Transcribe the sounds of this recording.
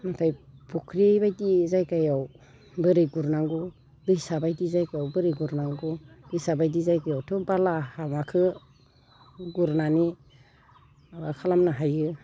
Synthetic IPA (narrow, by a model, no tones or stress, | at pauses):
matʰajpʰukʰɾiejbajdizajkajaw | bɯɾɯjɡuɾnaŋɡɔ | dɯjsabajdizajkajawbɯɾɯjɡuɾnaŋɡud̥ɯjsabajdizajkajawtʰɔbalahamakʰɯ | ɡuɾnani | abakʰalamnaɦajɯ